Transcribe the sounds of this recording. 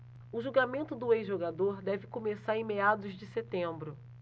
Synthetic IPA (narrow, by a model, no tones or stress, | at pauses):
ʊʒuɡamẽnt̪ʊd̪ʊejzʒoɡad̪oɾd̪ɛvɪkomesaɾẽj̃mead̪ʊzd͡ʒɪset̪ẽmbɾʊ